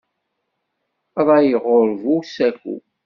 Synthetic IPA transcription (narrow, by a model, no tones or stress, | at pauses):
ðˤɑjəʁoɾvusækṵ